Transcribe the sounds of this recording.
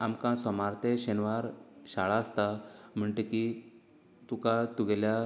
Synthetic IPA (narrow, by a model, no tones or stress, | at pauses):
amkãsɔmaɾt̪eɕenʋaɾɕaɭaəst̪am̤əɳʈ̪eki | t̪ukat̪uɡɛlja